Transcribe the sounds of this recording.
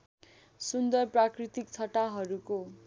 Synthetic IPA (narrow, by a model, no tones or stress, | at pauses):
sund̪ʌrprakrit̪ik̚t͡sʰʌʈaɦʌɾuko